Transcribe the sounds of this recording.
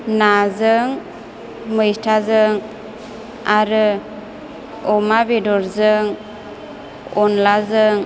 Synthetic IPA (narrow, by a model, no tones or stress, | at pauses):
nazɯŋ | mɯjstʰazɯŋ | aɾɯ | ɔmabedɔɾzɯŋ | ɔnlazɯŋ